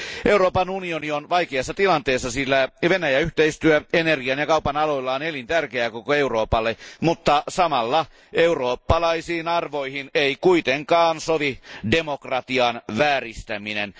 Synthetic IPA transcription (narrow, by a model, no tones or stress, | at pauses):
ʔe̞uɾoːpɑnunionionʋɑjkeɑsːɑt̪ilɑnt̪eːsːɑsilːæʋenæjæyht̪eist̪yøenerɡiɑnjɑkɑupɑnɑlo̞ilːɑonelint̪ærkeækokoeuro̞ːpɑlːemut̪ːɑsɑmɑlːɑ | euroːpːɑlɑisiːnɑrʋoihineikuit̪eŋkɑːnsoʋidemokrɑt̪iɑnʋæːrist̪æminen